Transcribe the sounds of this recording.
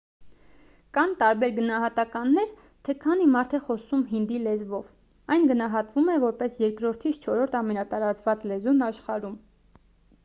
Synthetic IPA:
kɑnt̪ɑɾbɛɾɡənɑɦɑt̪ɑkɑnːɛɾ | t̪ʰɛkʰɑnimɑɾt̪ʰɛχɔsumɦind̪ilɛzvɔv | ɑjnɡənɑɦɑt̪vumɛvɔɾpɛsjɛɾkɾɔɾt̪ʰit͡sʰt͡ʃʰɔɾɔɾt̪ʰɑmɛnɑt̪ɑɾɑt͡svɑt͡slɛzunɑʃχɑɾum

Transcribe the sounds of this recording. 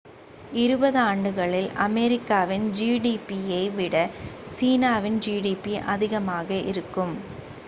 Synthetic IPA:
ɪɾɯbɐðɯaːɳɖɯɣɐɭɪlʔɐ̰mɛɾɪkːaːʋɪnd͡ʒiːɽiːpijɐɪʋɪɽɐsiːnaːʋɪnd͡ʒiːɽiːpiʔɐ̰ðɪɣɐmaːɣɐʔɪ̰ɾɯkːɯm

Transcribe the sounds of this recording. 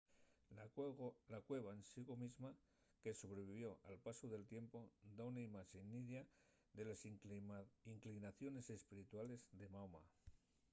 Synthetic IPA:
lakwe̞β̞aensiɣo̞mizma | ke̞so̞βɾe̞β̞iβ̞jo̞ʔalpasuðe̞lt̪je̞mpo̞d̪aunaimat͡ʃenːiðja | ðe̞las | iŋklinaθjo̞ne̞se̞spiɾit̪wale̞zðe̞mawma̰

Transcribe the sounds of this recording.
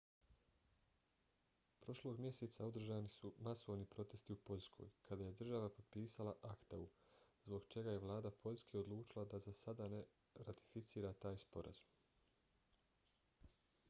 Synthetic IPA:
pɾo̞ʃlo̞ɡmje̞set̪saod̪r̩ʒaːnisumaso̞ʋnipɾo̞t̪e̞st̪iupo̞ʎʲskʰo̞̰ːjkʰad̪aːje̞d̪r̩ʒaʋapo̞d̪̚piːsalˠaʔakt̪auzbo̞ɡt͡ʃe̞ɡaje̞ʋlˠaːd̪apʰo̞ʎʲskʰe̞o̞d̪lˠuːt͡ʃilad̪azasad̪ane̞ | ɾat̪i̥fit̪siːɾat̪aːjspo̞ɾʔa̰z̥u̥m

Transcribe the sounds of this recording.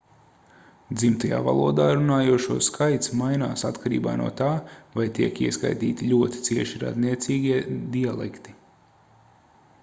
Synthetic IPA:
d̪zimt̪aja̰ːva̰lˠuɔd̪aːɾunaːjuɔʃuɔskʰajt̪smajna̰ːsat̪kʰaɾḭːba̰ːnṵɔt̪aːvajt̪iɛkiɛska̰jt̪ḭːt̪iʎʲuɔt̪i̥t̪siɛʃiɾa̰d̪niɛt̪siːɡʲiɛd̪ialˠɛ̰kt̪i̥

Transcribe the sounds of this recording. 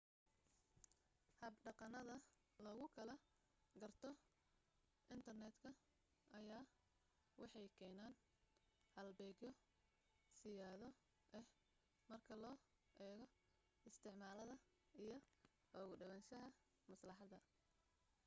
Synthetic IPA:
hɐbɖɑqɑnɐðɐ | lɐɣʊkʰɐlɐ | ɡɐrt̪ʰɔ | ʔɪnt̪ʰɐrnɛd̪kʰɐ | ʔɐjaː | wɑħɑjkʰɛːnaːn | hɐlbɛːɣjɔ | sɪjaːðɔ | ʔɛh | mɐrkʰɐlɔː | ʔɛːɣɔ | ɪst̪ʰɪʕmaːlɐðɐ | ijɞ | ɔːɣʊɖɐβɐnʃɐɦɐ | mɐslɑħɑd̪ɐ

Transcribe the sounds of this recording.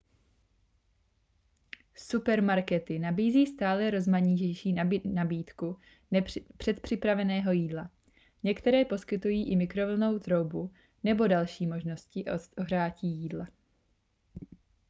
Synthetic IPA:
supɛɾmaɾkɛt̪ɪnabiːziːst̪aːlɛɾo̞zmaɲɪcɛjʃiːnabiːt̪ku | pr̥ɛt̪pr̥ɪpɾavɛnɛːɦo̞jiːdla | ɲɛkt̪ɛɾɛːpo̞skɪt̪ujiːʔɪmɪkɾo̞vl̩no̞wt̪ɾo̞wbu | nɛbo̞dalʃiːmo̞ʒno̞scɪʔooɦraːciːjiːdla

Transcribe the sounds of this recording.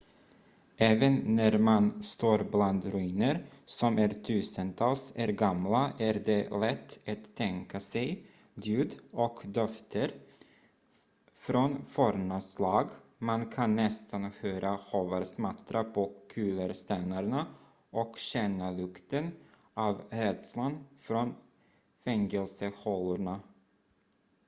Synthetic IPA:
ʔɛːvənːæɾmanst̪oːɾbland̪ɾɵiːnəɾsɔmæɾt̪ʰʉ̟ːsənt̪ʰɑːlsæɾɡamlaʔæɾd̪ɛlɛt̪ʰːat̪ʰːɛŋkasɛj | d̪jʉ̟ːd̪ɔkd̪œft̪ʰəɾ | fɾɔnfɔɾmaslɑːɡmankʰanːɛst̪anhøːɾʔahoːvəɾsmat̪ɾʔapʰɔkʰʉːləɾst̪ɛnːaɾɳa | ʔɔkɕɛnːalɵkt̪ən | ʔɑːvɾɛd̪slanfɾɔn | fɛŋɛlsəhɔlʊɳa

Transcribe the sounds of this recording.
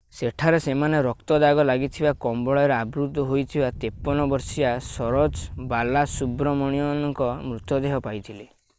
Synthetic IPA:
seʈʰaɾesemaneɾɔkt̪ɔd̪aɡɔlaɡit̪ʰibakɔmbɔɭɔɔɾeabɾut̪ːɔɦojt̪ʰibat̪epːɔnɔbɔɾsiasɔɾɔd͡ʒbalasubɾɔmɔɽ̃ijɔnɔŋkɔmɾut̪jɔd̪eɦɔpajt̪ʰile

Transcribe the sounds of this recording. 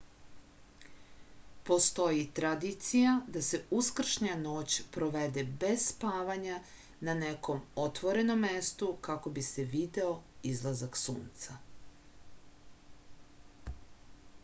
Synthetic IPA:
po̞st̪o̞jit̪ɾad̪it̪sijad̪ase̞uskr̩ʃɲano̞ːt͡ɕpɾo̞ʋe̞d̪e̞be̞sspaːʋaɲa | nane̞ko̞mo̞t̪ʋo̞ɾe̞no̞mːe̞st̪ukako̞bise̞ʋid̪e̞o̞izlˠazaksṵːnt̪sa

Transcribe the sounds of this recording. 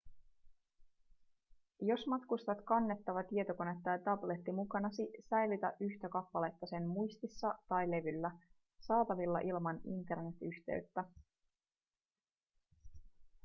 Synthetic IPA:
jo̞smɑt̪kust̪ɑt̪kɑnːe̞t̪ːɑʋɑt̪ie̞t̪o̞ko̞ne̞t̪ːɑjɑt̪ɑble̞t̪ːimukɑnɑsisæjlyt̪æ̰ʔyçt̪ækɑpːɑle̞t̪ːɑse̞mmujst̪isːɑt̪ɑjle̞ʋylːæ | sɑːt̪ɑʋilːɑ̰ʔilmɑnint̪e̞rne̞t̪yçt̪ḛyɥt̪ːæ

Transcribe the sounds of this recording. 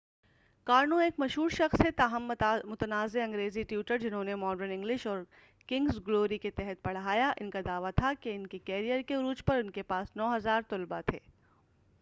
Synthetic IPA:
kaːɾnõeːkmɐʃɦuːɾʃɐxsɛt̪aɦəmmʊt̪ənaːzeɐ̃ŋɡɾeːziʈjuːʈəɾd͡ʒɪnɦõːnemɔːɖəɾnɪ̃ŋɡlɪʃɔːɾ | kɪ̃ŋɡsɡloːɾiket̪ɛɦət̪̚bɐɽ̤ɦaːjaʔɪnkad̪aːʋat̪ʰakeɪnkekɛːɾijəɾkeʊɾuːt͡ʃpɐɾʊnkepaːsnɔːɦɐzaːɾt̪ʊlbat̪ʰḛː

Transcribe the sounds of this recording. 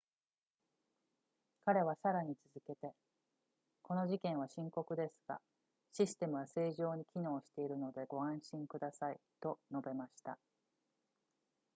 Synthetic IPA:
kaɾe̞β̞asaɾaɲ̟it͡sɨzɨke̞t̪e̞ | ko̞no̞ʑikẽ̞ɰ̃βaɕĩŋko̞kɯ̟d̪e̞sɨ̥ɡ̥a̰ | ɕisɨ̥t̪e̞mɯ̟βase̞ːʑo̞ːɲ̟ikʲino̞ːɕi̥t̪e̞iɾɯ̟no̞d̪e̞ɡo̞ãɰ̃ɕĩŋkɯ̟d̪asait̪o̞no̞be̞maɕi̥t̪a̰

